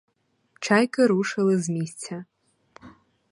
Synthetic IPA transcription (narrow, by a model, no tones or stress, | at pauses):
ʈ͡ʂʰajkʼaɾuʂalɨzmist͡sʰa